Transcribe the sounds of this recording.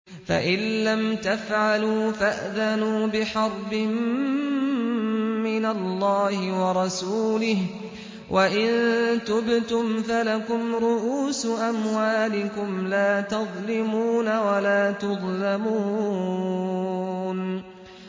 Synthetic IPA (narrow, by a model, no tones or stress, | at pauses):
fa̰ʔɪlːamt̪afʕaluːfaʔðanuːbɪħɑɾˤbɪm | ɪnalːɑːhɪwɑɾˤɑsuːlɪh | wʔaʔɪnnt̪ʊbt̪ʊmfalakʊmɾʊʔuːsʊʔamwaːlɪkʊmlaːt̪ɑðˤlɪmuːnawalaːt̪ʊðˤlamuː | n